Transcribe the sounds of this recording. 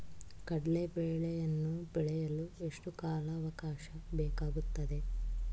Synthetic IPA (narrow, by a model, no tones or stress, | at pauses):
kɐɽɐlebeːɭɛjɐnːubiɭɛjɐlue̞ʂʈukaːlɐːʋɐkaːʃɐbɛːkaːɡut̪ːɐd̪e̞